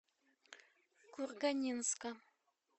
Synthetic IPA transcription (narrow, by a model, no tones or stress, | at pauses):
kurɡanʲinska